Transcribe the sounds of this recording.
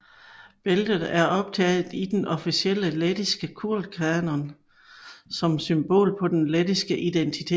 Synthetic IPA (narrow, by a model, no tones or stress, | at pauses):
b̥eld̥ð̩ˠæɐɒ̽b̥̚t͡sʰɛ̰ːð̩ˠid̥enʔɒ̽fisiel̰əled̥isɡ̥əkʰuɐ̰l̥kʰæɐnɐn | sɒ̽msymb̥o̝̰ːlpʰɒ̽d̥enled̥isɡ̥əʔid̥ent͡sʰit͡sʰe̝